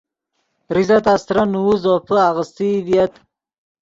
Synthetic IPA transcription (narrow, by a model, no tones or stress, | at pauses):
ɾizat̪ast̪ɾanuuzopʰəaɣəst̪id̪ijat̪